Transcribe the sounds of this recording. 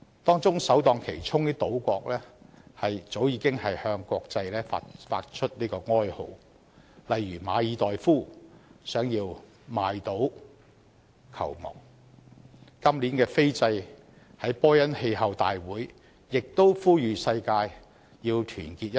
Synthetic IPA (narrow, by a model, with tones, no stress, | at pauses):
t̪ɔː˥ŋt͡sʊ˥ŋsɐ˨˥wt̪ɔː˧ŋkʰe˨˩jt͡sʰʊ˥ŋniː˥t̪o˨˥wkʷɔː˧k̚lɛː˥hɐ˨jt͡so˨˥wjiː˨˧kɪ˥ŋhɐ˨jhœː˧ŋkɔː˧k̚t͡sɐ˧jlɛː˥fa˧˥fa̰ː˧t̚t͡ʃʰɵ˥t̚niː˥kɔː˧ŋɔː˥jho̰˨˧˩w | lɐ˨jɥyː˨˩maː˨˧jiː˨˧t̪ɔː˨jfuː˥˩sœː˨˥ŋjiː˧w | maː˨˧jt̪o˨˥w | kʰɐ̰˨˩wmɔ̰ː˨k̚ | kɐ˥mliː˨˥nkɛː˧fe˥jt͡sɐ˧j | hɐ˨˥jpɔː˥jɐ˥nhe˧jhɐ˨˧wt̪a̰ː˨jwuː˨˥j | jɪ˨k̚t̪o˥wfuː˥jyː˨sɐ˧jkaː˧j | jiː˧wt̪ʰyː˨˩nkiː˧t̚